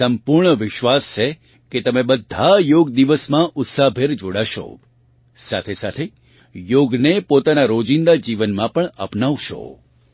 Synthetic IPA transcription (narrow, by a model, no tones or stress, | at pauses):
səmpuɾɳəʋɪʃʋast͡ʃʰe | ket̪əmẽbəd̪ʱːajoɡd̪iʋəsmãʔʊt̪sabʱeɾd͡ʒoɽaʃo̰ | sa̰t̪ʰesat̪ʰe | joɡnepot̪anaɾod͡ʒind̪ad͡ʒiʋənmãpəɳə̰pnaʋʃo̰